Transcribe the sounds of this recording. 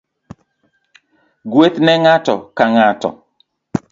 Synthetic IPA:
ɡwet̪nɛŋatɔkaŋatɔ̰

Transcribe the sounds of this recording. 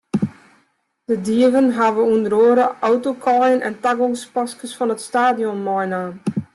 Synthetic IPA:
d̥ədiəvənɦaʋəuəndəɾoːəɾəʔɔwtokʰɔːjənɛntaɡɔŋspɔskəsfɔnətstaːdjɔnmɔjnaːn

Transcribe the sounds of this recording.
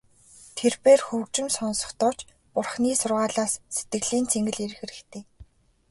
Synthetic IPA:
t̪ʰerpeːrxɵwkt͡ɕɪ̆msɔnsɞ̥̆χt̪ɔːt͡ɕ | pʊrχniːsʊrʁaːɮaːsːet̪̚ɡɘ̆ɮiːnt͡sʰeŋɡɘ̆ɮeɾxĕɾɘ̆kt̪ʰeː

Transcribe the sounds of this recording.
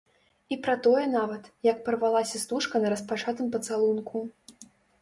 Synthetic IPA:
ipɾat̪ɔjɛnavɐt̪jɐk̚pɐrvalˠasʲɐst̪uʂkɐnɐɾɐspat͡ʂat̪ɨmpɐt̪salˠunkʰu

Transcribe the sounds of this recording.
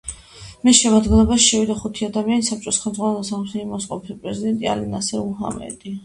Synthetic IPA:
misʃɛmad̪ɡɛnlɔbaʃʃɛvid̪aχut̪ʰiad̪amianisap̚t͡ʃʼɔsχɛld̪zʁwanɛlˠsamχilimɔsqʼɔpʰipʼɾɛzid̪ɛnt̪ʼia̰linasɛuɦa̰mɛ̰d̪i

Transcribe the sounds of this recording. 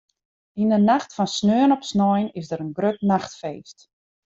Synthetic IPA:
inənaxtfɔnsnøərnɔpsnɔjnɪsdəɾənɡrøp̚naxtfeːst

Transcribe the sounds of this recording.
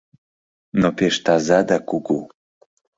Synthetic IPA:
nopeʃt̪azɑd̪akuɡu

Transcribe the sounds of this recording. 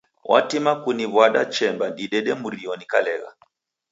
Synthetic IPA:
wʔa̰timakuniβwaɗat͡ʃɛmbanɗiɗɛɗɛmuɾiɔnikalɛɣa̰

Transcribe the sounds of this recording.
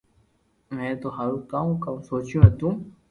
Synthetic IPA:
mɛ̃ːt̪oɦaːɾũkaːũkɐũsoːt͡ʃũɦɛt̪ũ

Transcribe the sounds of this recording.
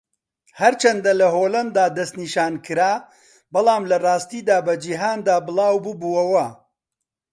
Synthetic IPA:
hɐɾt͡ʃʰɐnd̪ɐlɐɦoːlɐnd̪d̪aːd̪ɐst̪niːʃaːnkɨɾaː | bɐlˠɑːmlɐrˤɑːst̪iːd̪aːbɐd͡ʒiɦaːnd̪aːbɨlˠaːwbɨbuɐwɐ

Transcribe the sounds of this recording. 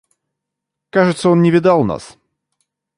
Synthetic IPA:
kaʐɛt̪sɔɔnɲɛvʲɘd̪awna̰s

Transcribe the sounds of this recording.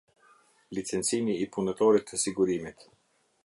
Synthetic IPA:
lit̪sɛnt̪siniːpunɛt̪ɔɾit̪əsiɡuɾimɛt̪

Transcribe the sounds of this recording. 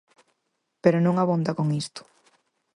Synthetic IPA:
peɾʊnõŋaβond̪akoŋist̪ʊ̥

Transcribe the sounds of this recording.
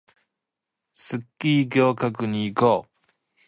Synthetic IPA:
sɨkʲːiːɡʲoːkakɯ̟ɲ̟iːkoː

